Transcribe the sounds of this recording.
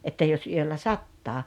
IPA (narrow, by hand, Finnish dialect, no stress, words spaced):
etːæ jos yølːæ sɑtːɑː